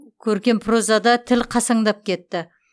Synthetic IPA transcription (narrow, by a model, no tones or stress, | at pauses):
kʲʰɵɾkʲe̞mpʰrozɑd̪ɑt̪ʰɪlqʰɑsɑɴd̪ɑp̚kʲe̞t̪ːɪ